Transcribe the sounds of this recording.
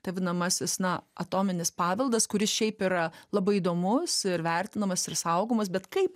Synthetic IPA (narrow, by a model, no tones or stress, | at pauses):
t̪ɐʋʲɪnɐmɐsʲɪsnɐɐt̪oːmʲɪnʲɪspɑːʋʲɛlˠd̪ɐskʊɾʲɪsʃʲɛɪpiɾɐlˠɐbɐɪid̪oːmʊsɪɾʋʲɛrʲt̪ʲɪnɐmɐsɪrsɐʊɡomɐs̬bʲɛt̪kɐɪp